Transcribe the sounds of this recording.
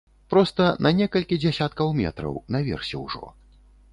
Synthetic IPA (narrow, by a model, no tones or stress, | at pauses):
pɾɔst̪ɐnʔɐnʲɛkɐlʲkʲid͡zʲɛsʲat̪kɐwmʲɛ̰t̪ɾɐ̰wnɐvʲɛ̰rsʲɛwʐɔ̰